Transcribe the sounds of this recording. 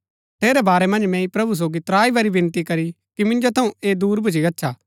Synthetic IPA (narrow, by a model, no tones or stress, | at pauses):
t̪ʰeːɾɛbaːɾɛmɐ̃nd͡ʒmɛ̃ipɾɐbus̬oːɡit̪ɾaːibɐɾibɪ̃nt̪ikɐɾi | kimɪ̃nd͡ʒot̪ʰɐũeːd̪uːɾbʱʊd͡ʒ̬ʰiɐtːʃʰaː